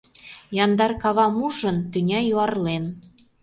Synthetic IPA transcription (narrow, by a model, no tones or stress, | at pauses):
jɑnd̪ɑrkɑβɑmuʒə̆nt̪ynʲɑjuɑrlen